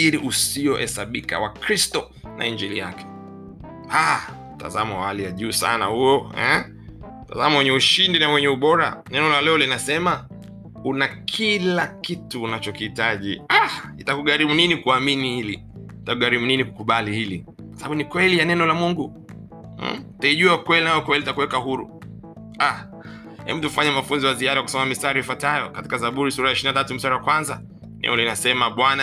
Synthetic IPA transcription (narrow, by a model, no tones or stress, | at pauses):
iɾiʔusiɔhɛ̰saɓika̰wakɾistɔ | nʔa̰iɲd͡ʒɛlija̰kʰɛ̥ | a | ta̰zamawahalijaʄuːsa̰na̰hujɔɛ̰ | ta̰zamawɛɲɛuʃindinawɛɲɛuɓɔɾa̰nɛnɔlalɛɔlinasɛma | unakʰilakituːnat͡ʃɔkiitaʄiahitakuɠaɾimuninikuaminihili | itakuɠaɾimuninikukuɓalihilḭ | kwasaɓaunikwɛlijanɛnɔlamuŋɡu | taiʄuakwɛlinajɔkwɛlitakuwɛkahuɾṵ | a | hɛ̰m̩tufaɲamafunziwaziaɗaakusɔmamistaɾiifwatajɔkati̥kazaɓuɾisuɾajaiʃiɾinatatum̩staɾawakwanza | nɛ̰ɔlinasɛmaɓwana